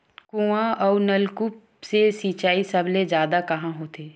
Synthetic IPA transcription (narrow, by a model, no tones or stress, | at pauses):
kũːãʔɔːnɐlkup | sesiːt͡ʃaːisɐbled͡ʒjaːd̪akɐɦãɦoːt̪eː